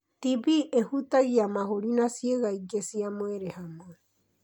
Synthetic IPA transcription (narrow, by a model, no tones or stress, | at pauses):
t̪iβiʔehut̪aɣiamahoɾinasieɣaiɡesiamweɾehamo